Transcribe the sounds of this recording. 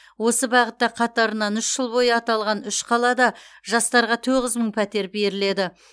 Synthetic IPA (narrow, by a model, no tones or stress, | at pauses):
wo̞səbɑʁət̪ːɑqʰɑt̪ɑɾənɑnʏʃʒ̥əlˠbo̞jəɑt̪ɑlˠʁɑnʏʃqʰɑlˠɑd̪ɑʒɑst̪ɑɾʁɑt̪ʰoʁəzməɴpʰæt̪e̞ɾbe̞ɾɪle̞d̪ɪ